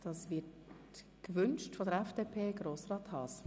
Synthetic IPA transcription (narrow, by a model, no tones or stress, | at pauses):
d̥ɑːsvɪt | kvʏnʃtfɔdəɾɛfd̥epʰeːɡɾoːsrɑːt̪hɑːs